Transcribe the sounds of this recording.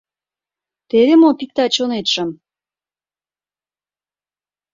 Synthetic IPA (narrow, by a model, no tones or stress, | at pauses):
t̪eðemopik̚t̪ɑt͡ɕonet̪ʃə̆m